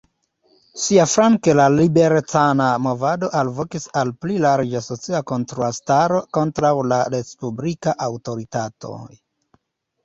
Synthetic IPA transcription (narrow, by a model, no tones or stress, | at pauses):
siafɾaŋkelalibe̞ɾtanamo̞vado̞ʔalvo̞kisalplilaɾed͡ʒaso̞t͡siako̞ntɾuastaɾo̞ko̞ntɾawlaɾespublikaʔawto̞ɾitato̞̰j